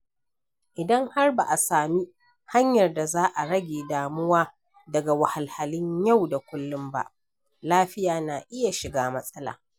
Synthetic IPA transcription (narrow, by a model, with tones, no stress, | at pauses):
ʔɪ˨dɐ˦ŋha˦rba˨ʔa˨saː˨mi˦ | ha˦ɲjɐ˨rda˨zaː˦ʔa˨ɽɐ˦ɡʲeː˨daː˨mʊ˦waː˦ | dɐ˨ɡa˨wa˨ha˨lha˨lɪ˦ɲja˦˨wda˨kʷʊ˦lːʊ˦mba̰˦ʔ | laː˦ɸɪ˦jaː˨na˨ʔɪ˦ja˨ʃɪ˨ɡaː˦mɐ˦sʼɐ˦la̰ː˨